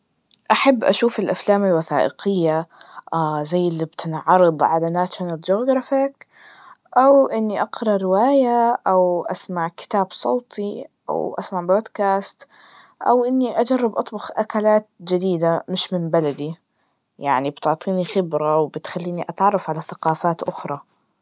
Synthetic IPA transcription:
ʔaħabːʔa̰ʃuːfalʔaflaːmalwaθaːʔɪ̰qɪjːa | zajːɪlːibt̪ʰɪnʕɑɾˤɨd̪ˤʕalanaʃnald͡ʒoːɡɾˤɑfɪk | ʔawʔɪnːiʔɑqɾˤɑɾɪwaːjaʔawʔasmaʕkɪ̥t̪aːbsˤoːt̪ʰiʔa̰wʔa̰smaʕboːd̪kaːst̪ | ʔa̰wʔɪnːiʔad͡ʒɑrˤːɑbʔɑt̪ˤbʊxʔakalaːt̪̚d͡ʒɪd̪iːd̪amɪʃmɪmbalad̪i | jaʕnibt̪ʊʕt̪ˤiːnixɪbɾawbɪt̪xalːiːniʔɑt̪ʕɑrˤːɑfʕalaθaqɑːfaːt̪ʔʊxɾˤɑ

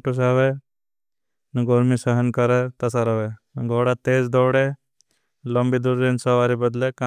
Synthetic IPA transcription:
ʈus̬aːʋe | nɐɡoɾmisəɦənkəɾet̪ɐsaɾəʋenɐɡʱoːɽat̪eːzd̪ɔːɽe | ləmbid̪uɾːensəʋaːɾibəd̪leka

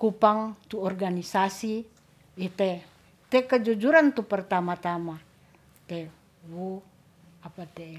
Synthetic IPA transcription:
kupaŋt̪uɔrɡanisasi | it̪ɛ | t̪ɛkəd͡ʒud͡ʒuɾant̪upərt̪amat̪ama | t̪ɛ | wo | apat̪ɛ

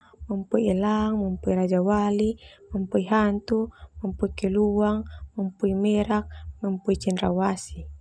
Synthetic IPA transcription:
mampuielaŋmampuiɾad͡ʒawalimampuiɦant̪umampuikeluaŋmampuimɛɾak̚mampuit͡ʃɛnɾawasi

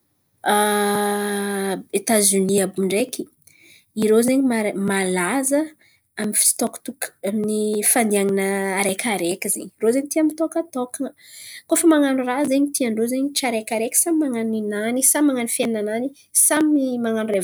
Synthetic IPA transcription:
a | et̪azyniabuɳɖ͡ʐeki̥ | iɾozeɲimamalazə | aminfi̥st̪ɔku̥t̪ukaminifand̪iaŋinəaɾekʰaɾekʲizḛɲiirozeɲit̪iamit̪ɔkət̪okə | kofəmaŋanurazeɲit̪iaɳɖ͡ʐozeɲiʈ͡ʂaɾekʲaɾeki̥samimaŋaninanisamaŋanifeninanani | samimaŋanure

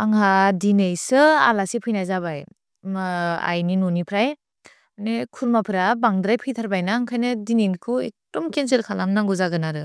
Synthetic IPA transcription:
aŋhadinejsɯa̰lasipʰɯjnajzabaj | ma̰jninonipʰɾaj | nekʰuɾmapʰɯɾabaŋdɾajpʰɯjtʰaɾbajnaːŋkʰajnɯdininkʰɯḛk̚d̥ɔmkens̬ɯɾkʰalamnaŋɡuzaɡɯnaɾɯ

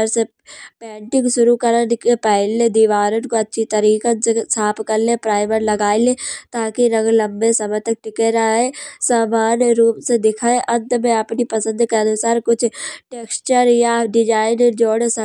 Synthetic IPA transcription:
əɾse | pɛ̃ːɳʈɪ̃ŋɡʃʊɾukɐɾənkepɛɦled̪iːʋaːɾənkoɐtːʃʰit̪ɐɾiːkənsaːpkɐɾlepɾaːɪməɾlɐɡaːilet̪aːkiɾɐ̃ŋɡlɐ̃mbesɐmɛt̪ɐk̚ʈɪkeɾaẽsaːmaːnjɾuːpsed̪ɪkʰaːeʔɐ̃nt̪mẽɐpnipɐsə̃nd̪keɐnʊsaːɾkʊt͡ʃʰʈeːkst͡ʃəɾjaɖɪd͡ʒaːɪnd͡ʒoːɽsɐ

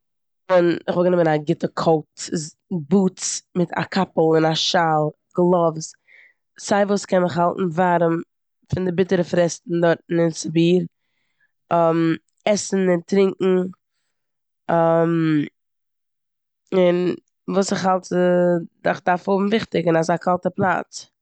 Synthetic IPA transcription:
ʊnɪχvɔlˠɡənɪmənaɡɪtəkʰolˠtɪ | buːt͡smɪtʰa̰kʰapl̩ˠɪnaʃalˠ | ɡlˠɔvs | saɪvuːskɛnɪχɦalˠtn̩vaɾəm | fɪndɪbɪtəɾəfɾɛstn̩dɔɾtn̩ɪnsɪbiːɾ | ɔm | ɛsn̩ɪntɾɪŋkŋ̩ | ɔm | ɪn | vuːsɪχhalˠt | da̰χdaɾfhʊbm̩vɪχtɪɡənasakʰalˠtəplˠa̰t͡s

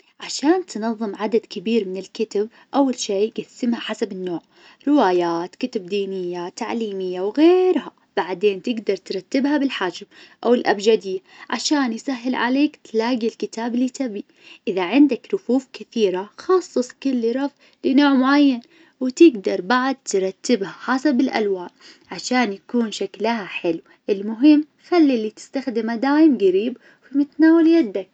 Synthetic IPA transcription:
ʕaʃaːnt̪nɑðˤːɨmʕad̪ad̪kɪbiːɾmɪnɪlkɪt̪ab̚ | ʔawːalʃeːɡasɪmhaħasabɪnːoːʕ | ɾɪwaːjaːt̪kɪt̪ab̚d̪iːnɪjːat̪aʕliːmɪjːawɣeːɾɦa | b̥aʕd̪eːnt̪ɪɡd̪ɑɾˤt̪ɾˤɑt̪ːɪbhabɪlħaːd͡ʒɪbʔawɪlʔabd͡ʒaːd̪ɪjːaʕa̰ʃaːnjsaɦːɪlʕa̰leːkt̪laːɡilkɪt̪aːblit̪abi | ʔɪðaʕɪnd̪akɾʊfuːfkɪθiːɾaxɑːsˤːɨsˤkʊlːiɾˤɑf | lɪnoːʕmʊʕajːan | wɪt̪ɪɡd̪ɑɾˤbaʕad̪̚t̪ɾˤɑt̪ːɪbhaħaːsabɪlʔa̰lwaːʔ | ʕaʃaːnjakuːnʃaklahaħɪlw | ʔɪlmʊɦɪmː | xalːilit̪ɪ̥st̪axd̪ɪmad̪aːjɪmɡaɾiːb | fimɪt̪naːwɪljad̪ːak̚

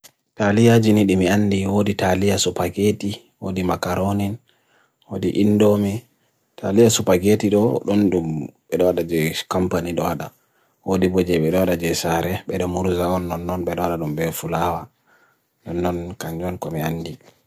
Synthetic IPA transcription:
talijad͡ʒiniɗimianːdiwoditalijasupaɡeti | wo̰dimakaɾonin | wodiʔindomi | tʰalijasupaɡetiɗɔɗɔndumɓɛɗɔwaɗad͡ʒɛkɔmpaniɗɔwaɗa | wodibod͡ʒɛɓɛɗɔwaɗad͡ʒɛsaɾɛɓɛɗɔmuɾzaɔnːɔnːɔnɓɛɗɔwaɗaɗumbɛfulawa | nɔnːɔnkaɲd͡ʒɔnkɔmianːdi

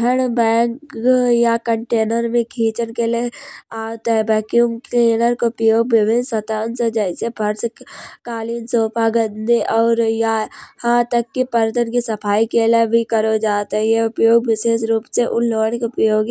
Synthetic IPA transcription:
dʱəɽbɛːŋkjakəɳʈeːnəɾmẽkʰiːt͡ʃənkeleaːwt̪ɦɛbɛːkjumeːnəɾkopjoːɡʋɪbʱɪnsɐt̪aːnsed͡ʒɛːsepʰɐɾskaːliːnsoːpaːɡənd̪eʔɔːɾjahãːt̪əkːipəɾt̪ənkisɐpʰaːikeːlebʱikəɾod͡ʒaːt̪ɦɛjeʊpjoːɡ̚ʋɪseːʃɾuːpseʔʊnloːənkʊpjoːɡ

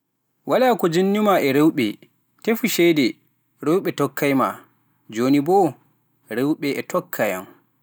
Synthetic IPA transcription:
walakɔd͡ʒinːimaʔɛɾewɓɛ̰ | tefuʃɛjdɛ | ɾewɓɛtɔkʰːajma̰ | d͡ʒoːnibɔ | ɾewɓɛɛtʰɔkʰːaja̰m

